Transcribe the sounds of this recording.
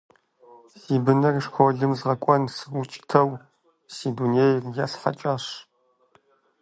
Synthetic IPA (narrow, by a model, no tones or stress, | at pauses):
siːbɨnɨrʂxʷʰɔɮɨmzʁɐkʷʼɔnsɨut͡ʃʼtʰɐw | siːdunejrjaːɬħa̰t͡ʃʼaːɕ